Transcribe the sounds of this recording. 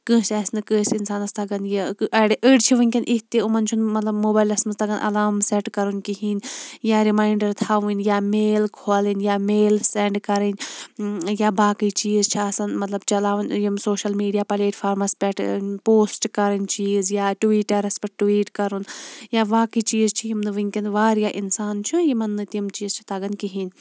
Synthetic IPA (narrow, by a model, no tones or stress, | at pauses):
kɨ̃ːsɛːsnɨkəsinsaːnɐst̪ʰɐɡɐnjiɐɽʔəɖt͡ʃʰiʋɨnʲkʲɐnʔit̪eumɐnt͡ʃʰunmɐt̪lɐbmoːbaːjlɐsmɐst̪ɐɡɐnʔɐ̰laːmsɛʈkɐɾunkiɦinjaːɾimaːiɳɖɐɾt̪ʰaːʋũnjaːmeːlkʰoːlinjaːmeːlsɛɳɖkɐɾɐnʲ | jabaːkit͡ʃiːzt͡ʃʰiɐsɐnmɐt̪lɐbt͡ʃɐlaːʋɐnʲjimsoːʃɐlmiːɖijaːpɐleːʈfʰaːɾmɐspʲɛʈʰpoːsʈkɐɾɐnʲt͡ʃiːzjaːʈʋiːʈɐɾɐspʲɐʈʋiːʈkɐɾunjaʋaːkit͡ʃiːzt͡ʃʰijimnʋɨŋʲkʲɐnd̪ʋaːɾjaʔinsaːnt͡ʃʰujimɐnːɨt̪iɐmt͡ʃiːzt͡ʃʰi̥t̪ɐɡɐnkiɦiːnʲ